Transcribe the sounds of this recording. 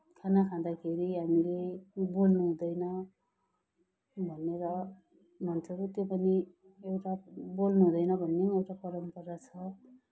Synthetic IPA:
kʰanakʰãd̪akʰeɾiɦamilebolnuɦũd̪ʌjnʌ | bʱʌneɾʌ | mʱʌnt͡sʰʌt̪jopʌni | ewʈabolnuɦũd̪ʌjnʌbʱʌnːẽewʈapʌɾʌmpʌɾat͡sʰʌ

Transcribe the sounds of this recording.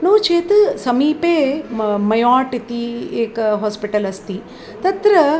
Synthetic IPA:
nuːt͡ʃeːt̪ɨsɐmiːpeːmɐjaːʈit̪ieːkɐɦoːspiʈɐlɐst̪i | t̪ɐt̪ɾɐ

